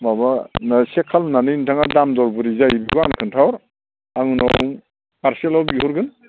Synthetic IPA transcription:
mabanasekʰalnanɯntʰaŋadamdɔɾbuɾizajibiɡɔankʰɯntʰawɾ | aŋnɔŋ | paɾsielawbihuɾɡɯn

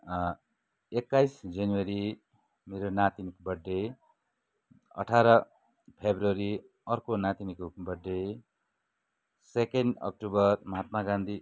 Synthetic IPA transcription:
ekːajsd͡zʌniwʌɾi | meɾonat̪inikbʌɖːe | ʌ̰ʈʰaɾʌ | pʰebrʌɾi | ʌrkonat̪inikbʌɖːe | sekenɖʌ̰k̚ʈubʌrmʌɦat̪maɡãnd̪ʱi

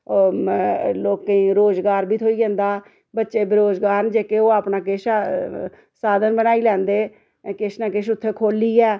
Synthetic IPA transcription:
o | loːkːeĩːɾoːzɡaːɾbʱiːt̪ʰoːiːd͡ʒɛ̃ːnd̪aː | bətːʃeːbɪɾoːzɡaːɾnd͡ʒeːkeoːaːpnaːkɪʃ | saːd̪ənbənaːiːlɛ̃ːnd̪eː | kɪʃnãːkɪʃʊt̪ʰːeːkʰoːliːɛː

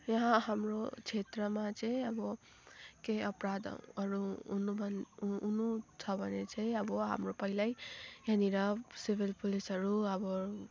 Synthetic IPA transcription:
jʌɦãɦamɾot͡ʃʰet̪ɾʌmat͡sejʌbʌ | keʌpɾad̪̰ɾuːnubʱʌnːnut͡sʰʌbʱʌnet͡sajʌbʌɦa̰mɾopʌɦilajjaniɾʌsibʱilpulisɦʌɾuʌbʌ

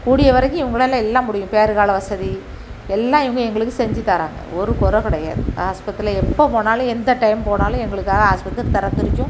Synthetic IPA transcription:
kuːɽɪjɐʋɐɾɐkːɯ̃ɪʋɐŋɡɐɭɐlãɛlːãːmʊɽɪjʊ̃peːɾɯɣaːɭɐʋɐsɐði | ɛlːãːɪʋɐŋɡɐɛŋɡɐɭɯkːɯsɛɲd͡ʒɪt̪ːaːɾa̰ːŋɡɐ̰ɔɾɯkɔɾɐ̃kɪɽɐja̰ːðɯaːspɐt̪ːɾɪlɐɛpːoːpoːnaːlʊ̃ɛnd̪ɐʈɐɪmpoːnaːlʊ̃ɛŋɡɐɭɯkːaːɣɐɦaːspɐt̪ːɪlt̪ɐɾɐt̪ːɪɾɪɲd͡ʒʊ̃

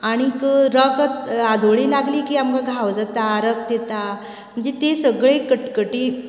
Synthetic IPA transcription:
aɽ̃ikɾək̪ad̪ʱoɭiːlaɡliːkiːamkaɡʱawd͡zat̪aɾək̚d̪et̪a | m̤əɳd͡zet̪esəɡɭekəʈkəʈiː

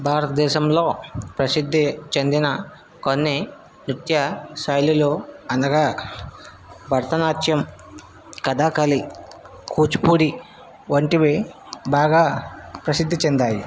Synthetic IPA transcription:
bʱaːɾɐt̪ɐd̪ɛːʃɐmloːpɾɐsid̪ʱːit͡ʃend̪inɐ | konːi | nit̪jɐsɐjluloːɐnɐɡaː | bʱɐɾt̪ɐnaːt̪jɐm | kɐd̪aːkɐli | kuːt͡ʃu̥puːɽi | ʋɐɳʈiʋi | baːɡaːpɾɐsid̪ʱːit͡ʃend̪aːji

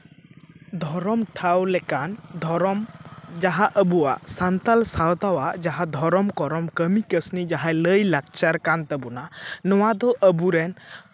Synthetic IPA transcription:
d̪ʱɔɾɔmʈʰawlɛkand̪ʱɔɾɔmd͡ʒaɦaʔəbuwa̰ʔsant̪alsawt̪awaʔd͡ʒaɦad̪ʱɔɾɔmkɔɾɔmkəmikəsnid͡ʒaɦaləjlak̚t͡ʃaɾkant̪ɛbɔnanɔwad̪ɔʔəbuɾɛn

